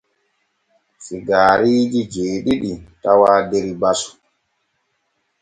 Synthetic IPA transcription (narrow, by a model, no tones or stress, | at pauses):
siɡaːɾiːd͡ʒid͡ʒeːɗiɗitawaːdeɾibasu̥